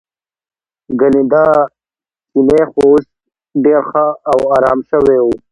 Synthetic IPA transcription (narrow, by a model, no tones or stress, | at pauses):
ɡanid̪a | kinexoos | ɖeɾxaːwaːɾɑːmʃəweu